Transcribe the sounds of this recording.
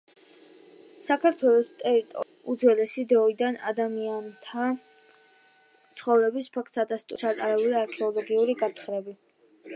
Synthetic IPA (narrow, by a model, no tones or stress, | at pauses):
sakʰaɾt̪ʰwɛlˠɔst̪ʼɛɾit̪ʼɔ̰ | ud̪zwɛlɛsid̪ɾɔid̪ana̰d̪amiant̪ʰa | t̪sʰχɔvɾɛbispʰak̚ʰt̪ʰsad̪ast̪ʼt͡ʃʰat̪ʼaɾɛuliaɾkʰɛɔlˠɔɡiuɾiɡat̪ʰχɾɛbi